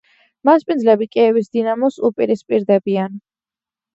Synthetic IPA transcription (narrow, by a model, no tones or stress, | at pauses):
maspʼind̪zlɛbikʼɛɛvis̬d̪inamɔsupʼiɾispʼiɾd̪ɛbian